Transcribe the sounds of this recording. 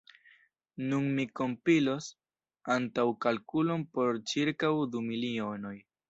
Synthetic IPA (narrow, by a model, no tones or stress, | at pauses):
nunmiko̞mpilo̞s | antawkalkulo̞npo̞ɾt͡ʃiɾkawdumilio̞no̞j